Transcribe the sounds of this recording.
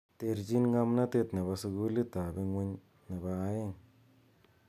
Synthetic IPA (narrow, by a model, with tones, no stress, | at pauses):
t̪e˧ɾd͡ʒi˦nŋa˧mna˦t̪e˧t̪ne˨ba˧su˧ɡu˦li˦t̪a˨be˦ŋwe˦ɲ | ne˨baː˧˦je˦˨ŋ